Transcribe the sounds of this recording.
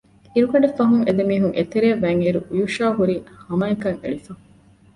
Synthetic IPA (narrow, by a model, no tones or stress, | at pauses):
iɾukɐɖefɐɦuŋed̪emiːɦuŋʔḛt̪eɾeːʋæŋiɾuujuʃaːɦuɾiːhɐmɐekɐŋḛɭifɐ